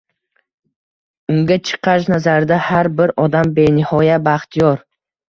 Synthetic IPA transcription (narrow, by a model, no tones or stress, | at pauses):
ʊŋɡʲat͡ʃʰɨ̥qʰɑʃnazaɾd̪ahaɾbɪɾɒd̪ambe̞nɪhɒjabaχt̪ʰijɒɾ